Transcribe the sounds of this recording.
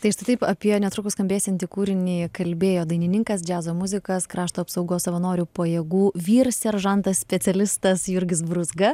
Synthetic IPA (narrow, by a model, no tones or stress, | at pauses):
t̪ɐɪʃt̪ʲɐɪt̪ɐɪpɐpʲiɛnʲɛt̪ɾʊkʊskɐmʲbʲeːsʲɛnʲt̪ʲiːkuːɾʲɪnʲiːkɐlʲbʲeːjoːd̪ɐɪnʲɪnʲɪŋkɐsd͡ʒʲæːzoːmʊzʲɪkɐskɾɑːʃt̪oːɐpsɐʊɡoːssɐʋɐnoːɾʲuːpojɛːɡuːʋʲiːɾsʲɛɾʒɐnt̪ɐssʲpʲɛtsʲɛlʲɪst̪ɐsjʊɾʲɡʲɪs̬bɾʊzɡɐ